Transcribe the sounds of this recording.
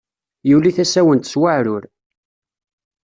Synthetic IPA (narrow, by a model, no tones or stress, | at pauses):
juliθæsæwənt̪swaʕɾʊɾ